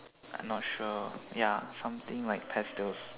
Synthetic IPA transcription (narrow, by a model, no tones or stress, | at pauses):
ʔã̰ɪmnɔt̚ʃujasãmt̪ĩŋlaɪk̚pʰɛstəls